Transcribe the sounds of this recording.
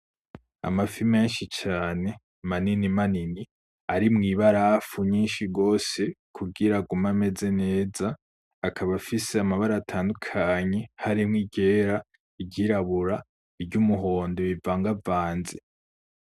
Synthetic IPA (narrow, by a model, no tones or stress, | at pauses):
a̰mafime̞nʃit͡ʃaːne̞ | maninimanini | aɾimŋiːβaɾafuɲiːnʃiɡo̞ːse̞kʰuɡiɾaɡumame̞ze̞ne̞ːzaː | kʰaβafise̞amaβaɾaːtʰaːndukʰaɲe̞haɾimŋiɟe̞ːɾa | iɟiɾaβuɾa | iɾɟumuɦo̞ːndoβivaːŋɡavaːnze